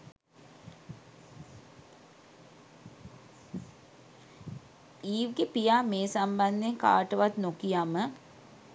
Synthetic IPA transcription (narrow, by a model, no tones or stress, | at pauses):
iːʋɡepijaːmeːsamband̪eŋka̰ːʈəʋat̪nokijamə